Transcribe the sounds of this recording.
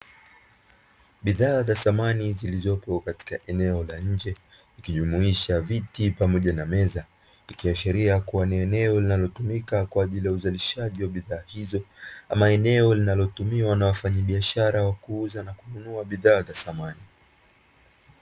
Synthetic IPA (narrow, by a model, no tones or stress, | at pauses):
ɓiðaːzasamanizilizɔpɔkati̥kaʔɛnɛɔlaɲ̩d͡ʒɛ | ikiʄumuiʃavitipamɔʄanamɛza | ikiaʃiɾiakuwaniɛnɛɔlinalɔtumikakwaːʄilijauzaliʃaʄiwaɓiðaːhizɔa̰maɛnɛɔlinalɔtumiwanawafaɲaɓiaʃaɾawakuuzanakununuaɓiðaːzasamani